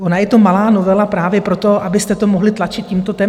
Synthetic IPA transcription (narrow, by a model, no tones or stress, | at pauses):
ʔonajɛt̪o̞malaːno̞vɛlapɾaːvjɛpɾo̞t̪o̞ʔabɪst̪ɛt̪o̞moɦlɪt̪lat͡ʃɪt̪ciːmt̪ot̪ɛ